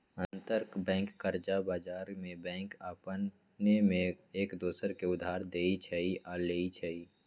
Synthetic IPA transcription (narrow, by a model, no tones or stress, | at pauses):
ənt̪əɾkbɛ̃ːŋkːəɾd͡ʒabaːd͡ʒaːɾmẽbɛ̃ːŋkaːpən | nemẽeːkd̪oːsəɾkeʊd̪ʱːaːɾd̪eːit͡ʃʰɛiʔaleːit͡ʃʰɛiː